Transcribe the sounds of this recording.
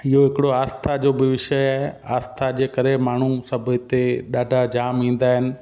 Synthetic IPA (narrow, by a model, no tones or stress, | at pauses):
ɪɦoɦɪkɪɽoaːst̪ʰad͡ʑoːbɪʋɪʃəa̰ːst̪ʰad͡ʑeːkɐɾemaːɳ̤usɐbʱʊt̪eɗaːɖʱad͡ʑaːmĩːn̆d̪aːɦɪnɪ̆